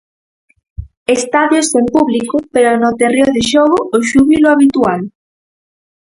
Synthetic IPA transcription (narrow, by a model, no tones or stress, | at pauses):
est̪aðjosempuβlikopeɾonot̪erjoðeʃoɣʊoʃuβiloaβit̪ual